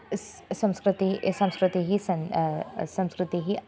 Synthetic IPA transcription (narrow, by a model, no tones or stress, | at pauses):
sɐ̃mskɾɪt̪isɐ̃mskɾɪt̪iɦisɐnsɐ̃mskɾɪt̪iɦi